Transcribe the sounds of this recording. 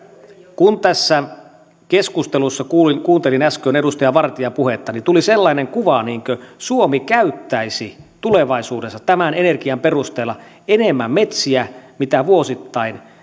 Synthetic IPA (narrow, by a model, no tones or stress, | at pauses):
kunt̪æsːæ | keskust̪elusːɑkuːlikuːnt̪e̞linæskøːne̞dust̪ɑjɑʋɑrt̪iɑpuɦet̪ːɑnit̪uliselːɑineŋkuʋɑniːŋkøsuomikæyt̪ːæisit̪ule̞ʋɑisuːde̞sːɑt̪æmæne̞ne̞rkiɑmperust̪eːlːɑ | e̞nemːæmːe̞t̪siæmit̪æʋuosit̪ːɑin